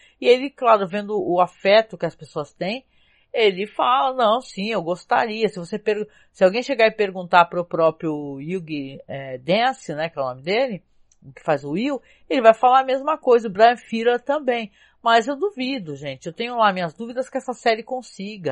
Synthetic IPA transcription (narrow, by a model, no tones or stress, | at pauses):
ɪelɪklaɾʊvẽnd̪ʊʔːafɛt̪ʊkɪɐspesoɐst̪ẽj̃ | elɪfalɐnɐ̃w̃sĩewɡost̪a̰ɾiɐsɪvosepeɾ | sɪawɡẽj̃ʃeɡaɾɪpeɾɡũnt̪apɾʊpɾɔpɾjʊiɡɪɛd̪ẽsɪnɛkɛunõmɪd̪elɪ | ʊkɪ̥fajzʊiw | elɪvajfalaɾɐmezmɐkojzɐbɾajɐ̃fiɾɐt̪ɐ̃bẽj̃ | mɐzewd̪uvid̪ʊʒẽnt͡ʃɪewt̪ẽjɲʊlamĩɲɐzd̪uvid̪ɐskɪɛsɐsɛɾɪkõsiɡɐ